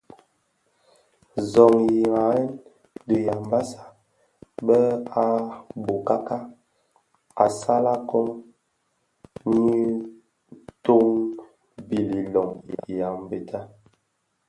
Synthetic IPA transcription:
zɔ˨ŋji˨ŋa˨ɛ˦n | də˨ja˨m˦ba˦sa˨ | bɛ˦a˦bo˨ka˦ka˦ | a˨sa˦la˦kɔ˦ŋ | ni˦ | to˦ŋ | bi˨li˨lɔ˨ŋ˨ja˨m˨be˨tʰa˦

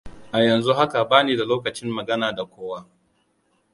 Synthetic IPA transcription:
ʔa˨jɐ˨nzu˦ɦa˦ka˨baː˦neː˨da˨loː˦kɐ˨t͡ʃɪ˦mːɐ˨ɡɐ˦naː˨da˨kʷoː˦waː˦

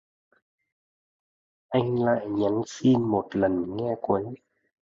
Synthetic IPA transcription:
ʔa˧jŋ̟la̰ː˧˨jɲa˨˦ŋsi˧nmo˨˩tlə˨˩nŋɛ˧kwə˨˦j

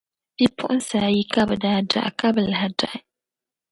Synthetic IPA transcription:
bi˦pʰʊ̰˦ʔʊ̃˦n˦sa˨ji˦ka˦bɨ˨da˨da̰˨ʔka˦bɨ˨la˨ha˨da̰˨ʔɪ˦

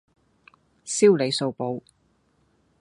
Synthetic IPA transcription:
siː˥wle˨˧jso˧wpo˨˧w

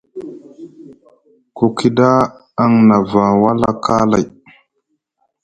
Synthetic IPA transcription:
ko˨ki˦da˦ | a˦ŋna˨va˨wa˦la˦kʰa˦la̰˨j

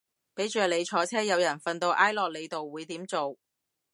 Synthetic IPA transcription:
pe˨˥jt͡ʃœː˨˧le˨˧jt͡ʃʰɔː˨˥t͡sʰɛː˥jɐ˨˧wjɐ˨˩nfɐ˨˧nt̪o˧wʔaː˥jlɔː˨k̚le˨˧jt̪o˨wːuː˨˧jt̪iː˨˥mt͡so˨w

